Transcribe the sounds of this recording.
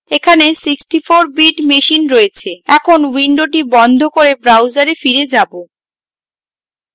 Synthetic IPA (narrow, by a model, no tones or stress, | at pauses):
ekʰanesiksʈifoɾbiʈmeʃinɾoet͡ɕʰeɛkʰonwiɳɖoʈ̬ibɔnd̪ʱokoɾebɾawd͡ʑaɾefiɾed͡ʑabo